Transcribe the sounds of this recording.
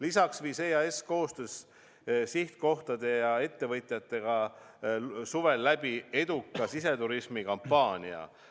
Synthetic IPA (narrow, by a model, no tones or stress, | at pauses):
lisɑksviːseːɑe̞sko̞ːst̪øs | siht̪̚ko̞ht̪ɑd̪e̞jɑe̞t̪ːe̞vɤt̪ʲˑjɑt̪ːe̞ɡ̥ɑ | suve̞lːæb̥ie̞d̪ukːˑɑsise̞t̪uɾismikɑmpːɑːnʲiɑ̰